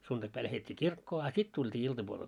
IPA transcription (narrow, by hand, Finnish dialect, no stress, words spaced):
suntɑkpæi læhetʲːiː kirkːoː ɑ sit tultʲiː iltɑpuolel